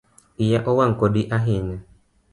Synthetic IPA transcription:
ijaʔɔwaŋ̩koɗiʔaɦɪɲa

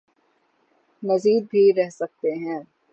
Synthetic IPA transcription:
nɐziːd̪̚bʱiɾɛɦsɐk̚t̪eɦɛ̃ː

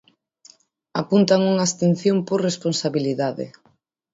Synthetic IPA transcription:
apunt̪aŋuŋaːst̪en̟θjomporresponsaβiliðaðɪ̰

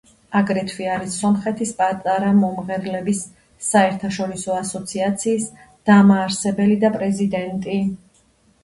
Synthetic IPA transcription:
aɡɾɛt̪ʰviaɾisːɔmχɛt̪ʰispʼat̪ʼaɾamɔmʁɛɾlɛbisː | aɛɾt̪ʰaʃɔɾisɔasɔt̪sʰiat̪sʰiːs | d̪̥amaːɾsɛbɛlid̪apʼɾɛzid̪ɛnt̪ʼi

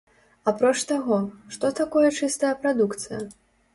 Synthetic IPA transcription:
apɾɔt͡ʂt̪aɣɔʂt̪ɔt̪akɔjɐt͡ʂɨst̪ɐjɐpɾad̪ukt̪sɨjɐ̰

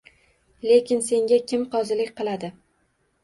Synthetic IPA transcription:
le̞kʲɪnse̞ŋɡʲakʲʰɪmqɒzɪlɪkʲqɨlˠad̪ɪ

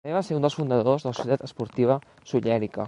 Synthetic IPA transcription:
eβaseɾund̪əlˠsfund̪əðozðələsusjət̪at̪əspuɾt̪iβ̞ə | suʎɛɾikə̰

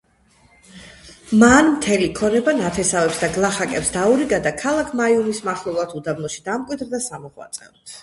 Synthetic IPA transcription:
manmt̪ʰɛlikʰɔnɛbanat̪ʰɛsavɛpsd̪aɡlˠaχakʼɛpsd̪auɾiɡad̪akʰalˠakʰmaiumismaχlˠɛlˠat̪ʰud̪abnɔʃi̥d̪amkʼwid̪ɾd̪asamɔχwa̰t̪sʼɛ̰v

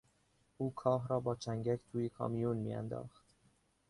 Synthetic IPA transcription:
ʔuːkʰɒːɦɾɒːbɒːt͡ʃʰæŋɟækʰt̪ʰuːjekʰɒ̰ːmijuːnmḭːæ̰nd̪ɒ̰ːxt̪

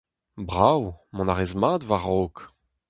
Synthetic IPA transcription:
bʁawmɔ̃naʁezmaːd̪vaʁok

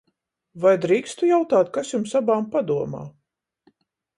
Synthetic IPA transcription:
vajd̪ɾiːkst̪ujawt̪aːt̪kasjumsabaːmpad̪uɔma̰ː

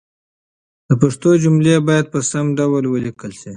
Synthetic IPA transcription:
d̪̥əpaʂt̪od͡ʒumlebɑjad̪̚pəsamɖawəlwəlikəlsi

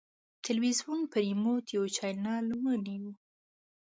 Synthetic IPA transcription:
t̪ʰɪlwizwunpəɾimot̪ʰjewt͡ʃɑjlnɑlwəniwu

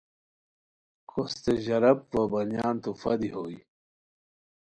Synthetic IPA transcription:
kʰost̪eʑɐɾɐpvɐbɐnjaːnt̪ufɐd̪iɦoːi

